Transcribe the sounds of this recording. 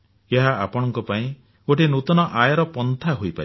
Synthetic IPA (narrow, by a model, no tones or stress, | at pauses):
eɦaapɔɽ̃ɔŋkɔpaĩ | oʈenut̪ɔnɔʔajɔɾɔpɔnt̪ʰaɦojpaɾ